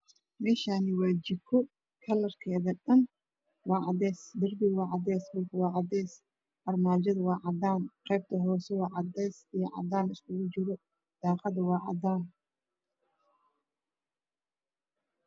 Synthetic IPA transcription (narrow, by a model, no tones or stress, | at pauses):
mɛːʃaːnɪwɑːt͡ʃɪkʰɔ | kʰɐlɐrkʰɛːðɐɖɐn | wɑːʕɑd̪ɛːsd̪ɪrbɪɣwɑːʕɑd̪ɛːshʊlkʰwɑːʕɑd̪ɛːs | ɐrmaːt͡ʃɐðwɑːʕɑd̪aːnqɛb̚t̪ʰɐɦɔːsɛwɑːʕɑd̪ɛːsijɐʕɑ̰d̪aːnɪskʰʊɣʊt͡ʃɪɾɔ | d̪̥ɑːqɑðɐwɑːʕɑ̰d̪aːn